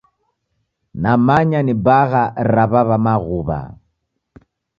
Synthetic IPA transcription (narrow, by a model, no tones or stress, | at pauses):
namaɲanibaɣaɾaβaβamaɣuβa̰